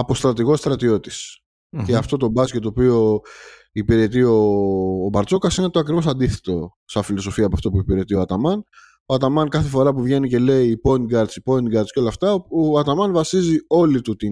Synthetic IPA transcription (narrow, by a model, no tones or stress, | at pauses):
ɐpo̞st̪ɾɐt̪iɣo̞st̪ɾɐt̪io̞t̪i̥s | ceɐft̪o̞t̪o̞bɐscet̪ːopio̞ | ipiɾe̞t̪̬io̞ːbɐɾt͡so̞kɐsinet̪oɐkɾivo̞sɐnd̪iθe̞̥t̪o̞ | sɐfilo̞so̞fiɐpɐft̪o̞puipiɾe̞t̪io̞ɐt̪ɐmɐn | oɐt̪ɐmɐnkɐθe̞fo̞ɾɐpuvʝe̞nice̞le̞iːpo̞niɡɐɾd̪t͡sipo̞niɡɐɾsceo̞lɐft̪ɐɐt̪ɐmɐnvɐsizio̞lit̪ut̪i